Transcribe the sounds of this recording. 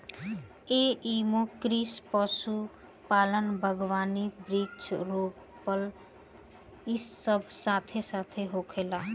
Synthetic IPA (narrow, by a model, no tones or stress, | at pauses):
eimõkɾispəsu | paːlənbʱəɡʋaːnibɾikt͡ʃɾoːk | pəl | isːəbʱsaːt̪ʰesat̪ʰeɦoːkʰeːlaː